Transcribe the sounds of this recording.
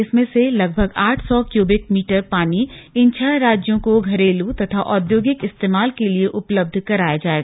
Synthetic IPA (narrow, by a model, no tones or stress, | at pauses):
ɪsmẽselɐɡbʱəɡaːʈʰsɔkjoːbɪk̚miːʈəɾpaːniɪnt͡ʃʰɛɾaːd͡ʒjõkoɡʱɐɾeːlut̪ɐt̪ʰaʔɔːd̪joːɡɪkɪst̪eːmaːlkelieʔʊpləb̚d̪ʱkɐɾaːjad͡ʒaːeɡa